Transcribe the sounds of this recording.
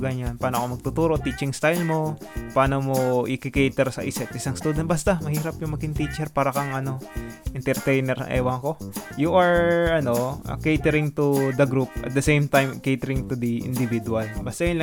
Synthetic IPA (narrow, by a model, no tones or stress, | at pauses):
ɡɐɲanpaːnoɐkomɐɡ̚t̪ʊt̪uːɾo̞t̪it͡ʃɪŋst̪ajlmo̞paːnomoʔɪkɪkejt̪ɛɾsɐʔɪsɛt̪ʔɪsaŋst̪uːd̪ɛn̚bɐst̪amɐhiːɾɐpjʊŋmɐɡɪŋt̪it͡ʃɛɾpaːɾɐkɐŋʔɐno̞ʔɛnt̪ɛɾt̪ɛjnɛɾɐ̰ŋʔɛ̰ːwɐŋɐko̞juʔɐɹɐno̞ʔɐ̰kejt̪ɛɾɪŋt̪ʊd̪ɐɡɾup̚ʔɐ̰t̪̚d̪ɐsejmt̪ajmkejt̪ɛɾɪŋt̪ʊd̪iʔɪ̰nd̪ɪvid̪ʊɐlbɐst̪ajʊnlɐ